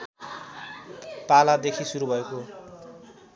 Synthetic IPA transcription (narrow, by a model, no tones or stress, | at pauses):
palad̪ekʰisuɾubʱʌeko